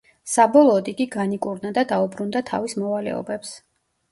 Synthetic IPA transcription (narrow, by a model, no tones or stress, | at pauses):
sabɔlˠɔːd̪iɡiɡanikʼuɾnad̪ad̪aubɾund̪at̪ʰa̰vismɔvalɛ̰ɔ̰bɛps